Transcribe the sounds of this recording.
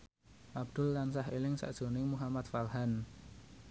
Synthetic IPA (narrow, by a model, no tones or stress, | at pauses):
ʔab̚d̪̥ʊ̤lːansahelɪŋsa̰ʔd̥ʒ̥o̤nɪŋmuɦamat̪farɦan